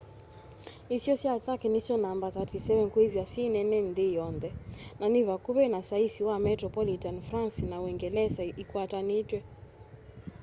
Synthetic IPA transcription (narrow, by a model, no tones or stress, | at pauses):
isiɔsiatakɛnisjɔnambat̪atisɛvɛnkuivjasinɛnɛnðijɔnd̪ɛnanivakuβɛnasaisiwamɛtɾɔpɔlitanfɾansinawɛŋɡɛlɛsaikwatanitwɛ